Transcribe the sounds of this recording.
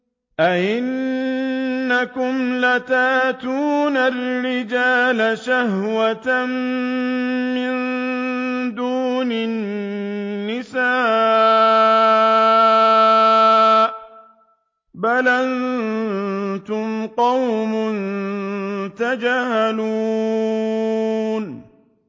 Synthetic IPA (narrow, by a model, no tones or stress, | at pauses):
ʔaʔɪn | akʊmlat̪aːt̪uːnarːɪd͡ʒaːlaʃahwat̪am | mɪn | d̪uːnɪnnː | ɪsaː | ʔ | balʔan | t̪ʊmqɑwmʊn | t̪ad͡ʒaːhaluː | n